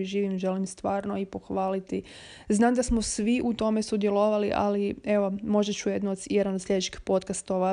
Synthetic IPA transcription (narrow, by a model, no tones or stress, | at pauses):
iʒiːʋimʒe̞limst̪ʋaːɾnoipo̞xʋaːlit̪i | znaːmd̪asmosʋiʔut̪o̞me̞sud̪je̞lo̞ʋaliʔa̰lie̞ʋo̞mo̞ʒet͡ɕujed̪nuod̪sjed̪anod̪sʎʲe̞d̪et͡ɕixpo̞t̪̚kast̪o̞ʋa